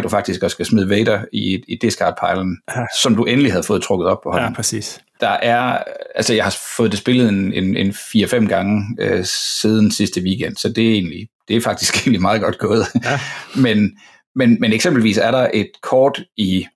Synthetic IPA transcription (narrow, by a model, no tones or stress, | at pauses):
d̥ufɑ̈ɡ̥̚d̥isɡ̥ɒsɡ̥æsmið̞ˠʋeɪɾ̥ɐiːd̥e̝sɡ̥ɑ̰̈ːd̥̚pʰɑ̈ɪln̩sɒ̽mduʔenəlihæð̞̩ˠfɔ̽ːð̩ˠt͡sʰʁɔ̽ɡ̥ð̩ˠɒ̽b̥̚pʰɒ̽hɒ̽l̰n̩i | d̥ɑ̈ʔæɐælsəjɑ̈hɑ̈fɔ̽ːð̞̩ˠd̥esb̥e̝ləð̞̩ˠenenenfiːɐfem̰ɡ̥ɑ̈ŋəøsiːð̞ˠn̩sisd̥əʋiːɡ̥en̰d̥sɒ̽d̥e̝æe̝̰ːnlid̥e̝æɐfɑ̈ɡ̥̚d̥isɡ̥e̝ːnlimɑ̈ːð̞̩ˠɡ̥ɒ̽d̥̚ɡ̥ɔ̽ːð̞̩ˠmen | menmeneɡ̥semb̥l̩ʋḭːsæɐɾɑ̈ʔe̝d̥kʰɒːd̥i